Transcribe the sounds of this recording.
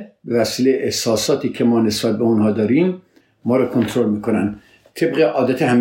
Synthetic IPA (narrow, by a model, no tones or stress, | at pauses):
bevæsiːlejeʔehsɒːsɒːt̪ʰiːkʰemɒːnesb̥æt̪̚beunhɒːd̪ɒːɾiːmː | ɒːɾɒːkʰont̪ʰɾolmiːkonænd̪ | t̪ʰebɣeʔɒːd̪æt̪ʰehæm